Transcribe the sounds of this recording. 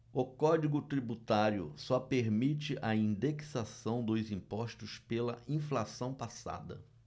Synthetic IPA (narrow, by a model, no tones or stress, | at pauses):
ʊkɔd͡ʒiɡʊt̪ɾibut̪aɾjʊ̰sɔpeɾmit͡ʃɪʔɐĩnd̪eksasɐ̃w̃d̪ʊzĩpɔʃt̪ʊspelɐĩflasɐ̃w̃pasa̰d̪ɐ̰